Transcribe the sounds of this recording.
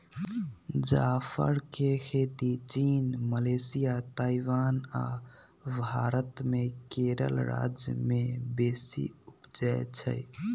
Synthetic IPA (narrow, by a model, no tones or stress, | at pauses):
d͡ʒapʰə̰ɾkekʰet̪it͡ʃiːnməlesijat̪aiʋaːna̰ | bʱaɾət̪mekeɾə̰lɾa̰d͡ʒjəmebesḭupd͡ʒajt͡ʃʰə̰j